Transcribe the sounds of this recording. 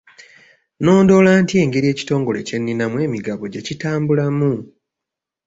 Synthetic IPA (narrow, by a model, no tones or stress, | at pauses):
no̞ːndo̞laːntie̞ːŋɡe̞ɾie̞ːci̥to̞ːŋɡo̞le̞ce̞nːinamwe̞ːmiɡaβo̞ɟe̞citaːmbulamu